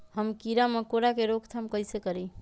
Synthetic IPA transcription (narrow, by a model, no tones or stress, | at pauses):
həmkiɾamekoɾakeɾokt̪ʰamkəjsekəɾi